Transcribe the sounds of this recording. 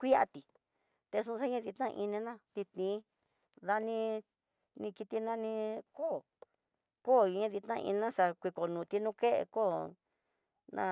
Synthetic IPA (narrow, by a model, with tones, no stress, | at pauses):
kʷi˦a̰˧t̪i˨ | t̪e˧sũ˦˧ʂa˦ɲã˦ði˧t̪nã˦˧ʔi˧nĩ˧nã˦t̪i˧t̪ĩ˨˦ | ða˧nĩ˧ | nĩ˧ki˧t̪i˧nã˦nĩ˧ko˦˨ | ko˦˨˧ɲã˦ði˧t̪nã˧ḭ˧nã˦ʂa˧kʷi˧ko˨nũː˨t̪i˧nũ˦ke˦ʔḛ˧ko˦˨ | nã̰˦